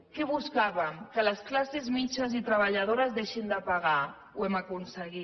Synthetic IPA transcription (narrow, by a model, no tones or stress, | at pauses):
kɛβuskaβəmkələsklasezmit͡ʃəzit̪ɾəβ̞aʎað̞oɾəzðeʃind̪əpaɣ̞a | uɛmakunsəɣi